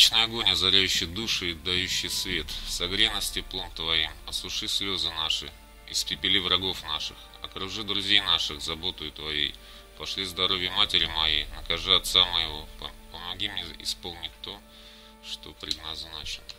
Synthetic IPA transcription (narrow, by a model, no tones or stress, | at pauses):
t͡ɕnəjɐɡonʲɐzɐɾʲæjʉɕːɪjd̪uʂɨɪd̪ːɐjʉɕːɪjsvʲe̞t̪sɐɡɾʲenəsʲtʲɪplˠo̞mt̪vɐimɐslˠʊʂɨsʲlʲo̞zɨnaʂɨ̰ | ɪ̰spʲɪpʲɪlʲivɾɐɡo̞fnaʂɨ̰x | ɐ̰kɾʊʐɨd̪ɾʊzʲejnaʂɨxzɐbo̞t̪əjʊt̪vɐjḛj | pɐʂlʲizd̪ɐɾo̞vʲjəmatʲɪɾʲɪmɐjejnəkɐʐɨɐt̪saməjɪvo̞pəmɐɡʲimnʲeɪ̰spo̞lˠnʲɪtʲt̪ːo̞ | ʂt̪opɾʲɪd̪naznaʂɨ̥